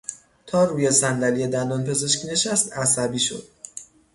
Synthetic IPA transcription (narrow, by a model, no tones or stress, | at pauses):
t̪ʰɒːɾuːjesænd̪ælijed̪ænd̪ɒːnpʰe̞ze̞ʃcʰʲine̞ʃæst̪æsæbiːʃo̞̰d̪̥